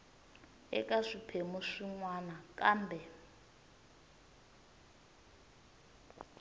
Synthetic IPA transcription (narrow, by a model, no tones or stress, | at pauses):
ɛ̰kʼaʂipʰemuʂiŋwanakʼaːmbʱɛ